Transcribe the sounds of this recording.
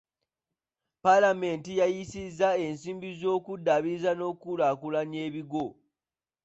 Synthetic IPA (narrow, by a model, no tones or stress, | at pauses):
palame̞ːntijajisizːae̞nsiːmbizo̞ːkudaβizano̞ːkulakulaɲe̞ːβiɡo̞